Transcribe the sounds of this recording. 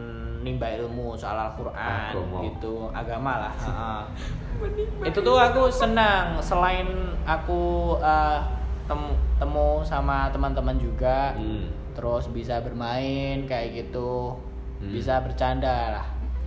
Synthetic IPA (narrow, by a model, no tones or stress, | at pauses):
nimbailmusoa̰lalkurʔa̰nɡit̪u | a̰ɡamalahəʔə | it̪ut̪uakusənəŋsəlaɪnakuət̪əmt̪əmusamat̪əmənt̪əmənd͡ʒuɡa | t̪əɾʊsbisabərmaɪnkajaɡit̪u | bisabərt͡ʃandalah